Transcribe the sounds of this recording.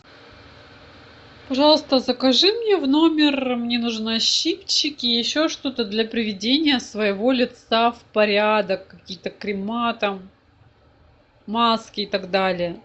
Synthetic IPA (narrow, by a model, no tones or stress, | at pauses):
pɐʐɑlˠəst̪əzəkɐʐɨmnʲevno̞mʲɪrmnʲe̞nuʐnɨɐɕːipt͡ɕːɪkʲɪjɪɕːoʂt̪o̞t̪əd̪lʲɐpɾʲɪvʲɪdʲenʲɪjəsvəjɪvo̞lʲɪt̪safpɐɾʲad̪əkːɐkʲijt̪əkɾʲɪmat̪ɐm | askʲɪːt̪ɐɡd̪alʲɪjə